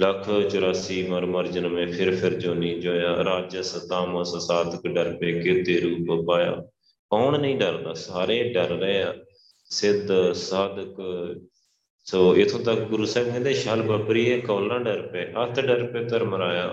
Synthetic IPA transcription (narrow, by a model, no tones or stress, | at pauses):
ləkʰt͡ʃʊɾaːsiːməɾməɾd͡ʒənmẽːpʰɪɾpʰɪɾd͡ʒoːnĩːd͡ʒoːjãːɾaːd͡ʒəsət̪aːmãːsəsaːd̪kɖəɾpeːkɪt̪eːɾuːpəpaːja̰ː | koːnnəĩːɖəɾd̪aːsaːɾeːɖəɾɾəẽːãː | sɪd̪saːd̪k | soːɪt̪ʰːõːt̪əkɡʊɾuːsɛːɡẽːd̪eːʃaːlbəpɾiːɛːkoːlãːɖəɾpeːʔət̪ʰɖəɾpeːt̪əɾməɾaːjaː